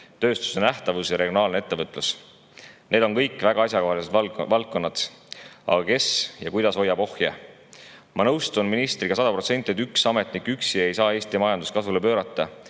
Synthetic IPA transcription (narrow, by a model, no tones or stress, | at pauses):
t̪ø̞ːst̪u̥senæht̪ɑvusjɑɾeɡjo̞nɑːlneet̪ːe̞vɤt̪ːˑlus | ne̞ːd̪̥o̞nkɤjkːˑvæɡ̥ɑɑsʲjɑkohɑlised̪vɑlt̚kːo̞nːɑt̪ | ɑ̰ɡ̥ɑke̞sjɑkujd̪̥ɑso̞jːɑbo̞hjḛ | mɑnɤwst̪unminist̪ɾiɡ̥ɑsɑd̪ɑpɾro̞t̪se̞nʲt̪iet̪yksɑme̞t̪ˑnikːˑyksie̞jsɑːe̞ːst̪imɑjɑnd̪uskɑsvulepøːɾɑt̪ˑːɑ